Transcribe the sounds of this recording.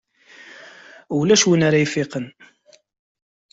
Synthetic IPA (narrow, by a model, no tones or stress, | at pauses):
ʊlæʃwənaɾajfɪqən